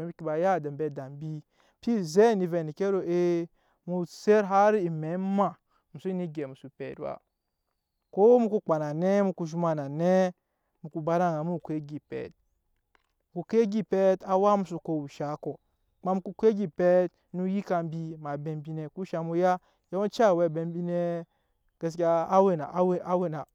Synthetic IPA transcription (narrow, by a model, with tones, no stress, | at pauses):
e˨˦bi˦ki˨ba˨ja˦˨da˨m˨be˨da˨m˨bi˦ | pi˦ze˦˨ni˨ve˨ni˨ke˦ɾo˨e˦ | mu˨se˦ɾɦa˦ɾi˦i˨me˨˦ma˨ | mu˨su˦ni˦ɡe˨mu˨su˨pḛ˨˦dwa̰˨ | ko˦mu˦ku˦k͡pa˨na˨ne˦mu˦ku˨ʒu˦ma˨na˨ne˦ | mu˨ku˨ba˦ɾa˦˨a˨mu˦˨kʷe˦ɡi˨pḛ˨t̚ | ku˨ke˦ɡi˦pe˦ta˨˦wa˦mu˨su˨ko˨wu˨ʃa˨˦ko˨ | k͡pa˦mu˦ku˦kʷe˦ɡi˦pe˦t | nu˦ji˦ka˨m˦bi˦ma˨be˨mbi˦ne˨ku˦ʃa˨mu˦ja˦ | ja˦o˦t͡ʃa˦˨we˨be˨mbi˦ne˦ | ɡ̥e˨s̬kʲaː˦we˦˨na˨˦we˦a˦we˦na˨